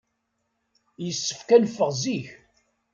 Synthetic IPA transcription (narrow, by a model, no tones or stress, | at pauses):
jəsːə̥fkænfːəʁziç